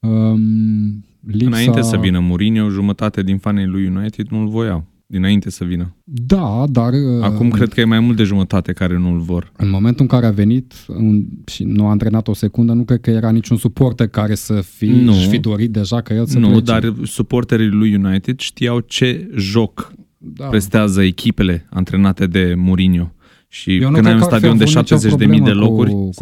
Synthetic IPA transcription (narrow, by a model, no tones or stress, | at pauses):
əəm | liɨnaasine̞səvinəmuɾinewʒumət̪at̪ead̪infanejlujːunajt̪id̪nulvo̞jaw | d̪inaint̪e̞səvinəd̪ad̪arəakumkɾe̞d̪̚kəjemajmult̪d̪eʒumət̪at̪e̞kaɾe̞nulvo̞rɨnmo̞ment̪uɨŋkaɾeave̞nit̪ɨnʃinuaɨnt̪ɾe̞nat̪o̞se̞kund̪ənukɾed̪̚kəje̞ɾanit͡ʃunsupo̞rt̪ərkaɾe̞səfinufid̪o̞ɾit̪̚d̪e̞ʒakəjelsnud̪arsupo̞rt̪eɾilujːunajt̪id̪ʃt̪ijawt͡ʃe̞ʒo̞k̪ | pɾe̞st̪eazəekʲipe̞le̞ant̪ɾe̞nat̪e̞d̪e̞muɾinjo̞ | ʃik̪ɨnd̪ajunst̪ad̪io̞nd̪eʃap̪̚ezet͡ʃd̪emijd̪e̞lo̞kurʲ